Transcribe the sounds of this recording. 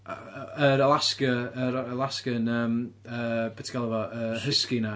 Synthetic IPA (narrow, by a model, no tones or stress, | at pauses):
əɾəlˠaskəəɾəlˠaskənəːm | əːbɛtʰi̥kalˠɛvɔʔəhəskina